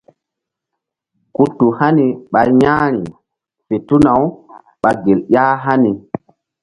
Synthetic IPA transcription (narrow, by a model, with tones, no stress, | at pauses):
ku˦tːu˨ha˦ni˨ɓa˨jja˦ɾi˨ | fe˨tu˦na˨w | ɓa˨ɡe˨ljaː˦ɦa˦ni˨